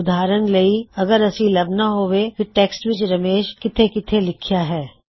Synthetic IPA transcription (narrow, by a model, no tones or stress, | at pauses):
ʊd̪ʱaːɾənlɐiɐɡəɾɐsilɐbnaɦoːʋet̪iʈeːksʈʋɪt͡ʃɾɐmeːʃkɪt̪ʰekɪt̪ʰelɪkʰjaɦɛː